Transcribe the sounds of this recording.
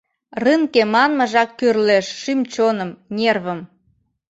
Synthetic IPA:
rɨŋkemɑnməʒɑkːørleʃːymt͡ɕonəmnʲerβə̆m

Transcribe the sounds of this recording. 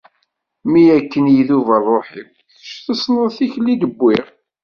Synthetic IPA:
mijækːənjiðuvælˤːoħiw | ʃθəsˤnəðˤθiçlːiɡəbːɪʁ

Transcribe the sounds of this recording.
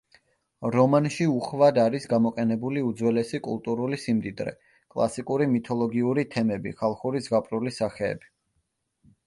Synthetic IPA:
ɾɔmanʃiuχvad̪aɾisɡamɔqʼɛnɛbuliud̪zwɛlɛsikʼṵlˠt̪ʼuɾulisimd̪id̪ɾɛ̰ | kʼlˠa̰sikʼuɾimit̪ʰɔlˠɔɡiuɾit̪ʰɛmɛbḭχʰalˠχuɾizɡapʼɾulisaχɛ̰ːbi̥

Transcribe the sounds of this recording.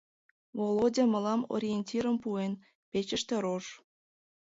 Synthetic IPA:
volodʲɑmə̆lɑmo̰ɾʲijenʲtʲiɾəmpuen | pet͡ɕəʃt̪ĕɾoʃ

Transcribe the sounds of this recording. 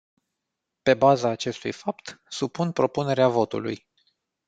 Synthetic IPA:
pe̞bazaːt͡ʃe̞st̪ṵjfapt̪supunpɾo̞pune̞ɾeavo̞t̪ṵlṵj

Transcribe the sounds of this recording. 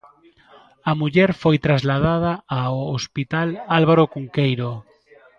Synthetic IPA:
ɐmuʎɛɾfojt̪ɾazlaðaðɐaoospit̪alalβaɾokuŋkejɾo

